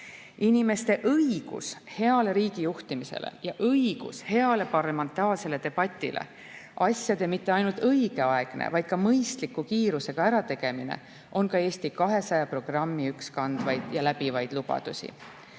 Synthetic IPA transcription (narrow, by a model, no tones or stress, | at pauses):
inʲime̞st̪e̞ʔɤjɡ̥ṵshe̞ɑle̞ɾiːɡ̥ijuht̪imise̞̰lḛjɑʔɤjɡ̥ṵshe̞ɑle̞pɑrlɑme̞nt̪ːˑɑːlse̞le̞t̪e̞b̥ɑt̪ʲːˑḭlʔḛ | ʔɑsʲjɑd̪̥e̞mit̪ːe̞ɑjnult̪ɤjɡ̥e̞ɑe̞ɡ̥nḛvɑjd̪̥kɑmɤjst̪likːukiːɾuse̞ɡ̥ɑæɾɑt̪e̞ɡ̥e̞mine̞̰ | ʔo̞nkɑe̞ːst̪ikɑɦe̞sɑjɑpro̞ɡ̥rɑmːiykskɑnd̪̥vɑjd̪̥jɑlæb̥ivɑjd̪̥lub̥ɑ̰d̪̥usʲḭ